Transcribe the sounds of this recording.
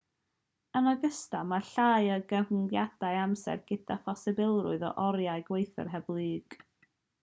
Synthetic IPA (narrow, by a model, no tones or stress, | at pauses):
ənaɡəstamaɬaːjəɡəvnjad̥ajamsɛ̰rɡ̥ɪd̥afasɛbɪlˠrʊ̰ɨðɔ̰ʔɔɾjaɨɡwejθə̰rɦɛblˠɨːɡ̥